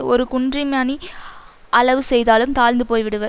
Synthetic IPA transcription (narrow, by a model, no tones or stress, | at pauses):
ɔɾɯkʊɳdrimaːni | ʔɐɭɐʋɯsɛjðaːlɯmt̪aːlnd̪ɯpoːjʋɪɽɯʋɐ